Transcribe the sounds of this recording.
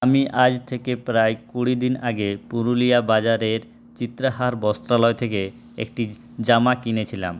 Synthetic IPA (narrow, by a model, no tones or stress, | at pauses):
amiʔad͡ʑt̪ʰekepɾaekuɽid̪inaɡepuɾulijabad͡ʑaɾeɾ | t͡ɕit̪ːɾaɦaɾbɔst̪ɾalɔet̪ʰeke | ḛk̚ʈi | d͡ʑamakinet͡ɕʰila̰m